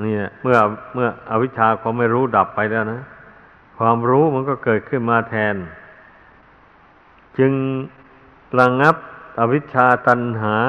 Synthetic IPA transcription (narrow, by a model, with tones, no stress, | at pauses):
niː˧˩lɛ˧˩mɯ˥˩ɐ˧mɯ˥˩ɐʔa˧wi˦˥t̪̚t͡ɕʰaː˧kʰaː˧mːa˥˩jɾuː˦˥da˨˩pːa˧jlɛː˥˩wna˦˥ | kʰwaː˧mɾuː˦˥ma˧˥nkɔː˥˩kɤː˨˩t̪̚kʰɯ˥˩nmaː˧t̪ʰɛː˧n | t͡ɕɯ˧ŋ | ɾa˧ŋa˦˥p̚ʔa˧wi˦˥t̪̚t͡ɕʰaː˧t̪a˧nɦaː˩˦